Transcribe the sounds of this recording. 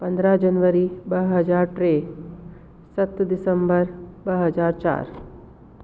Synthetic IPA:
pənd̪ɾad͡ʒənʋəɾibəɦəd͡ʒaːɾʈɾe | sət̪d̪isəmbəɾbəɦəd͡ʒaːɾt͡ʃa̰ːɾ

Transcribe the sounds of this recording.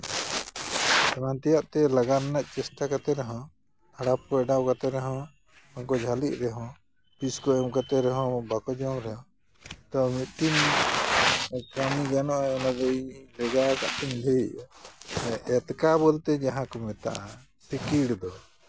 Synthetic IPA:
kɾant̪ijaʔt̪ɛlaɡaɾnaʔt͡ʃɛsʈakat̪ɛɾɛɦɔ̃ | aɽap̚kɔɛɖawkat̪ɛɾɛɦɔ̃ | ɔŋkɔd͡ʒʱaliʔ̚ɾɛɦɔ̃ | piskɔɛmkat̪ɛɾɛɦɔ̃bakɔd͡ʒɔmɾɛjɔ̃ | t̪ɔmit̪̚ʈin | kamiɡanɔʔɔnad̪ɔʔilɛɡakaʔʈinb̪ʱɛiʔ | ʔɛt̪kabɔlt̪ɛd͡ʒaɦãkɔmɛt̪a̰ʔa̰ | sikiɽd̪ɔ

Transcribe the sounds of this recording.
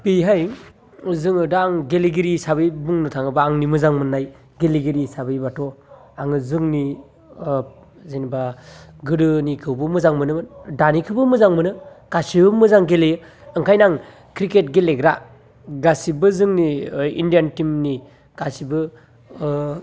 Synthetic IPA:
pijɦaj | zɯŋɯdaaŋɡeliɡiɾisaβɯjbuŋnɯtʰaŋɯbaːŋnimɯzaŋmɯnːaj | ɡeliɡeɾisabɯjbatʰɔ | aŋɯzɯŋni | zenibaɡɯɾɯnikʰɯwbɯmɯzaŋmɯnɯdanikʰɯbɯmɯzaŋmɯnɯɡ̥asibɯmɯzaŋɡele | ɯŋkʰajnaŋ | kɾiket̚ɡeleɡɾa | ɡasibɯzɯŋniḭndijantimni | ɡ̥asibɯ

